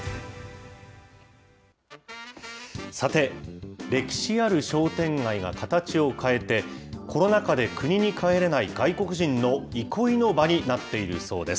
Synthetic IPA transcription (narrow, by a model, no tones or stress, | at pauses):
sat̪e̞ɾe̞kʲi̥ɕiaɾɯ̟ɕo̞ːt̪ẽ̞ŋɡaiɡa̰kat̪at͡ɕio̞kʰae̞t̪e̞kʰo̞no̞nakad̪e̞kɯ̟ɲ̟iɲ̟ikʰae̞ɾe̞naiɡaiko̞kɯ̟ʑĩnːo̞ikʰo̞ino̞baɲ̟inat̪ːe̞iɾɯ̟̰so̞ːd̪e̞s